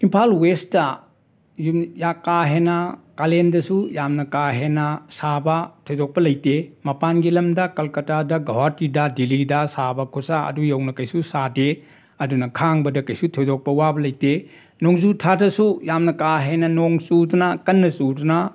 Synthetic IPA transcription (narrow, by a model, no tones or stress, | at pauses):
impʰalwestːɐ | jumjakaɦenɐkalendɐsujamnɐkaɦenɐsabɐtʰojzok̚pɐlɐjtemɐpanɡilɐmdɐkɐlkɐtadɐɡɐwatidɐdilidɐsabɐkʰusaɐ̰dujɐwnɐkɐjsusade | ɐdunɐkʰaŋbɐdɐkɐjsutʰojzok̚pɐwabɐlɐjte | noŋzutʰadɐsujamnɐkaɦenɐnoŋsudunɐkɐnːɐsudunɐ